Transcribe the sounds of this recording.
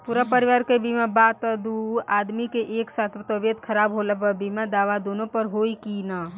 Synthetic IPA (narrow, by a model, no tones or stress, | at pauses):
puːɾapəɾɪʋaːɾkebʱimãbaːt̪əd̪uaːd̪mikeʔeːksaːt̪ʰt̪oʋjəd̪kʰəɾaːbɦoːləpəbimãd̪aːʋad̪oːnõpəɾɦoːikina